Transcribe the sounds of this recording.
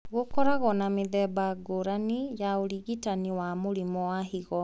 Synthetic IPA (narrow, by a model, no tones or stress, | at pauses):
ɣokɔɾaɣɔnameðɛbaɡoɾanijaoɾiɣitaniwamoɾimɔwahiɣɔ